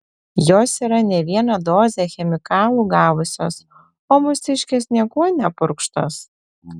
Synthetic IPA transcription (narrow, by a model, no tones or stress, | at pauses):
joːsiːɾɐnʲɛʋʲiɛnɐd̪oːzʲɛxʲɛmʲɪkɑːlˠuːɡɑːʋʊsʲo̰ːs | oːmʊsʲɪʃʲkʲeːsnʲiɛkuɔnʲɛpʊɾkʃt̪o̰ːs